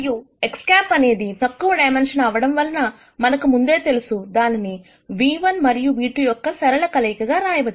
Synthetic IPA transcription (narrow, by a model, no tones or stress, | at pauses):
ju | ekskaːpɐneːd̪it̪ɐkːuʋɐɖɐjmenʂɐnaːʋɐɽɐmʋɐlnɐ | mɐnɐkːumund̪eːt̪elisud̪aːnɐne | ʋiːʋɐnmɐɾijuʋiːʈːujokːɐsɐɾɐɭɐkɐlɐjkɐɡɐːɾaːjɐʋɐt̪